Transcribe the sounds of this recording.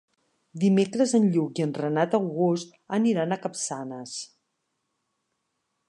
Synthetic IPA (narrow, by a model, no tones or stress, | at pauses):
d̪imekɾəzənʎukiənrənat̪əwɣost̪ | əniɾanəkəpsanəs